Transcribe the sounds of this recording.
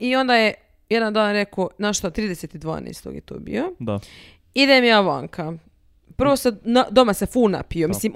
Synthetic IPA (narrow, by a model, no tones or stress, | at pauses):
io̞nd̪aje | jed̪and̪aːnɾe̞konaʃt̪ot̪ɾiːd̪eseːt̪id̪ʋa̰ːnḛst̪o̰ɡjet̪o̰ːbḭjod̪ | id̪emjaːʋa̰ːŋkʰa | pr̩ʋo̞senad̪o̞masefuːna̰piomislim